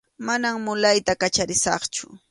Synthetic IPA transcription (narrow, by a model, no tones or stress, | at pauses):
manammʊlajt̪akat͡ʃaɾɪsɑ̰χt͡ʃʊ